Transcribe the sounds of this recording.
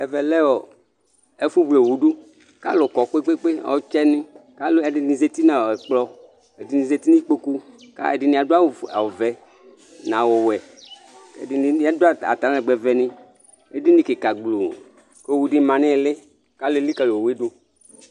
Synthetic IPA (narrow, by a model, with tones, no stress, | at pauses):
ɛ˨vɛ˨lɛ˦wɔ˨ | e˦fu˦bu˨e˨wu˨ɖu˦ | ka̰˦lʊ˨kɔ˨k͡pe˦k͡pe˦k͡pe˦ɔ̰˨˦t͡ʃɛ˦nɪ̃˦ka˦le˨dɪ˨nĩ˨ze˨˦t̪i˦nã˨ɛ˨k͡plɔ˦ | e˨di˨nĩ˨ze˨t̪i˦nĩ˦k͡po˦ku˦ka̰˦ḛ˨dɪ˨nĩ˨a˨do˦a˦wa˨wo˨vɛ˨ | nã˨wɔ˨wɛ˨ | ḛ˨dɪ˨n˨˦a˨˦do˦a˦a̰˨t̪a˨˦ɛ˨ɡ͡bɛ˨vɛ˨nɪ̃˦ | e˦di˦nĩ˨ke˨ka˨ɡ͡blo˨ | ke˦˨wu˨di˦˨mã˨nɪ̃˦e˨le˦ | ka˦le˦li˦ka˨lo˨o˨we˦du˦